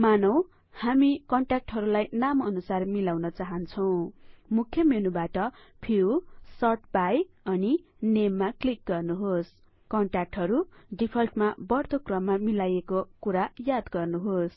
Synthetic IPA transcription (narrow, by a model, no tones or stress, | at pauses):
manʌw̃ | hamikʌɳʈak̚ʈɦʌɾulajnamʌnusarmilawnʌt͡saɦʌnt͡sʰʌw̃mukʰjʌmenubaʈʌpʰiwsʌʈbaj | ʌninemːaklik̚ɡʌrnuɦos | kʌɳʈak̚ʈɦʌɾuɖipʰʌlʈmabʌrt̪okrʌmːamilajekokuɾajad̪ɡʌrnuɦos